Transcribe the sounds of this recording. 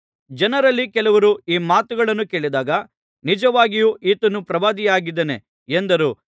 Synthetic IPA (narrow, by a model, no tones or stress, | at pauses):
d͡ʒɐnɐɾɐlːikɛlɐʋɐɾuiːmaːt̪uɡɐɭɐnːuke̞ːɭid̪aːɡɐ | nid͡ʒɐʋaːɡijuːʔiːt̪ɐnːupɾɐʋaːd̪ijaːɡid̪ːene | end̪ɐɾuː